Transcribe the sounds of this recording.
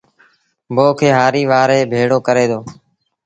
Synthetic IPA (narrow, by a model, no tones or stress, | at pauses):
boːkʰeːɦaːɾiːʋaːɾeːbʱeːɽoːkəɾeːd̪oː